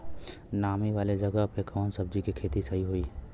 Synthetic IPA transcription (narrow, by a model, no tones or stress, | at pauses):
naːmiʋaːled͡ʒɐɡəɦpekʰɔːnsəb̚d͡ʒikikʰeːt̪isɐɦiɦoiː